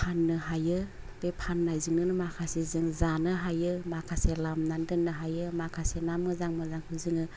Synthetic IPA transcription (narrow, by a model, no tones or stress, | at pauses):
pʰanːɯɦajɯ | b̥epʰanːajzɯŋnɯnɯmakʰasezɯŋzanɯɦajɯmakʰaselamnandɯnːɯɦajɯmakʰasenamɯzaŋmɯzaŋhʰɯzɯŋɯ